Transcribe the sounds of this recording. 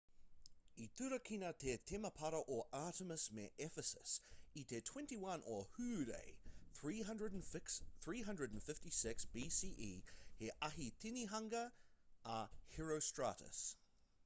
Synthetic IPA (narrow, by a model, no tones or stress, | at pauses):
it̪ʰʉɾəkʰinət̪ʰet̪ʰɛməpʰaɾəʔɔʔaˑɾəməsmɛʔɛfəsəsit̪ʰɛtʰw̥ɛ̃ntiwɐ̃nʔəhʉɾḛɪθɹiːɦɐ̃ndɹədnksθɹiːɦʌ̃ndɹəd̃n̩fɪftisɪksb̥isiʔḭheʔaɦit̪ʰɪniɦãŋɡəʔahɛɹoʊstɹ̥a̰ɾə̰s